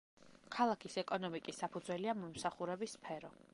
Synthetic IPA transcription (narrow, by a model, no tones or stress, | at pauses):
kʰalˠakʰisɛkʼɔnɔmikʼisːapʰud̪zwɛliamɔmsaχuɾɛbisːpʰɛɾɔ